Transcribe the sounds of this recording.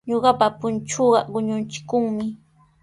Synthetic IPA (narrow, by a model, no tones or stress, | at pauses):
ɲoɢɑpapʊnt͡ʃoɢɑɢʊɲʊnt͡ʃɪ̥kʊŋmɪ